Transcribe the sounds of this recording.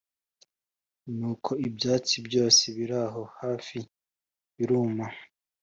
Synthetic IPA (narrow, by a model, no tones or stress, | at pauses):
nuːkʰo̞ibjaːt͡sibjo̞ːseβiɾaɦo̞haːfi | βiɾuːma